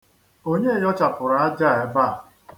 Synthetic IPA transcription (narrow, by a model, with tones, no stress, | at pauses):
o˦ɲe˦e˨jɔ˦t͡ʃa˨pʊ˨ɾa˨a˦d͡ʒa˦˨e˦ba˦˨